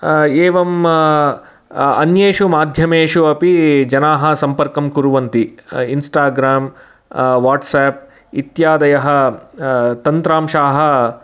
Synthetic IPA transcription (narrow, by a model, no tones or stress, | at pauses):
eːʋɐm | ɐ̰njeːʂumaːd̪ʱjɐmeːʂuɐpid͡ʒɐnaːɦɐ̆sɐmpɐɾkɐmkuɾuʋɐnt̪iinsʈaːɡɾaːm | ʋaːʈseːp̚ | it̪jaːd̪ɐjɐɦɐ̆ | t̪ɐnt̪ɾaːmʃaːɦɐ̆